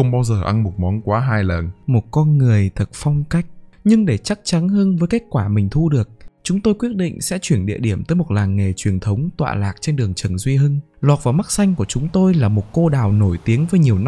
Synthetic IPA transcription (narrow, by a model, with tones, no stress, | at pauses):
xə˧wŋ͡mɓaː˧wzəː˨˩ʔa˧nmo˨˩t̚mɔ˨˦nkwaː˨˦ɦaː˧jlə˨˩nmo˨˩t̚kɔ˧nŋɨ˨˩əjt̪ʰə˨˩t̚fɔ˧wŋ͡mka˦˥jk̟̚ɲɨ˧ŋɗe˧˩t͡ɕa˦˥k̚t͡ɕa˨˦nhɨ˧nvəː˨˦jke˦˥k̚kwaː˧˩mï˨˩ŋ̟t̪ʰu˧ɗɨ˨˩ək̚t͡ɕʊ˨˦ŋ͡mt̪o˧jkwi˦˥ət̚ɗḭ̈˧˨ŋ̟sɛ̰˧˥t͡ɕwi˧˩ənɗḭ˧˨əɗi˧˩əmt̪əː˨˦jmo˨˩t̚laː˨˩ŋŋe˨˩t͡ɕwi˨˩ənt̪ʰə˨˦wŋ͡mt̪wa̰ː˧˨laː˨˩k̚t͡ɕe˧nɗɨ˨˩əŋt͡ɕə˨˩nzwi˧ɦɨ˧ŋ | lwa˨˩t̚vaː˨˩wma˦˥k̚sa˧jŋ̟ku˧˩ət͡ɕʊ˨˦ŋ͡mt̪o˧jlaː˨˩mo˨˩t̚ko˧ɗaː˨˩wno˧˩jt̪i˨˦ənvəː˨˦jɲi˨˩əwn˧